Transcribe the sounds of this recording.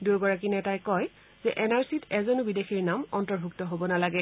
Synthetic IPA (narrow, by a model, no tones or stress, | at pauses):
duɡɔɹak̬inɛtajkɔj | z̥ɛʔɛnaɹsitʰɛzɔnʊbidexiɹnamɔntɔɹbʱuk̚tɔɦobɔnalaɡɛ